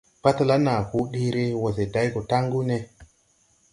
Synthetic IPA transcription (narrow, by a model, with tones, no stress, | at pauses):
pa˦ta˨la˦na˨ku˦ɗi˦ɾi˦wo˨ze˨da˨˦jɡo˨ta˦ŋɡu˦ne˦